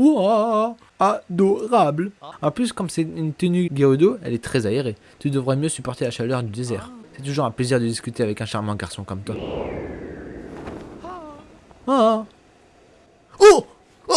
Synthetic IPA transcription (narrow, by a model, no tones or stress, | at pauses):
a | ad̪ɔʁablɑ̃plyskɔmsɛynt̪ənyɡʲeod̪oɛ̰lɛt̪χɛzaeʁe | t̪yd̪əvʁɛmjøsypɔʁt̪elaʃalœʁd̪yd̪ezɛːʁsɛt̪uʒuʁɛ̃pleziʁd̪əd̪iskʲyt̪eavɛkɛ̃ʃaʁmɑ̃ɡaʁsɔ̃kɔmt̪wa | a | a | o